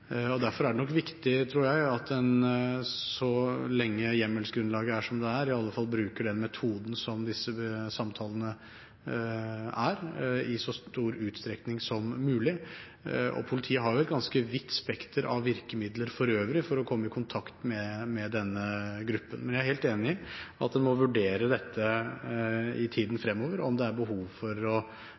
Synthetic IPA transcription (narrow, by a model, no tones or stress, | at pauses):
ɔd̪æɾfɔɾæɖɛnɔkːʋɪkt̪ɪt̪ʰɾuːɾjæɪɑt̪ɛn | sɔlɛŋːəjɛmːəlsɡɾʉnlɑːɡəæʂɔmd̪ɛæːɾɪɑlːəfɑlːˠbɾʉːkəɖɛnmɛt̪ʰuːd̪n̩sɔmd̪ɪsəsɑmt̪ʰɑːlənə | æɾɪsɔst̪uːɾʉːt̪st̪ɾɛknɪŋsɔmːʉːlɪ | ɔ̰pʰʊlɪt̪ʰiːəɦɑɾjʊɛt̪ɡɑnskəʋɪt̪ːspɛkt̪əɾʔɑ̰ʋːɪɾkəmɪd̪ləɾfɔɾøːʋɾɪfɔɾɔkʰɔmːəɪkʰʊnt̪ʰɑkt̪mɛmɛd̪ɛnːəɡɾʉpːənmɛnjæɾheːlt̪eːnɪɪɑt̪̚d̪ɛnmɔʋʉɖeːɾəd̪ɛt̪ʰːə | ɪt̪ʰiːd̪n̩fɾɛmːoːʋəɾɔmd̪ɛæɾbəɦuːʋfɔɾɔ